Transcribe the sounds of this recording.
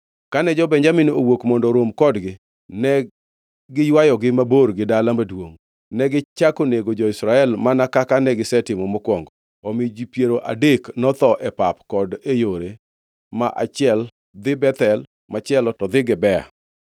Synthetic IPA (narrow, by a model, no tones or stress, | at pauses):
kanɛd͡ʒɔbɛɲd͡ʒaminowokmɔndɔɾwomkɔdɡɪ | nɛ | ɡɪjwajɔɡɪmaborɡɪdalamadwoŋ | nɛɡɪt͡ʃakoneɡod͡ʒɔɪsɾaɛlmanakakanɛɡɪsɛtɪmɔmɔkwɔŋɡɔ | ɔmid͡ʒipjeɾoʔa̰deknɔt̪ɔʔɛpapkɔdejoɾe | maʔa̰t͡ʃɪɛl | d̪ɪbɛt̪ɛl | mat͡ʃɛlɔtɔd̪ɪɡɪbɛa̰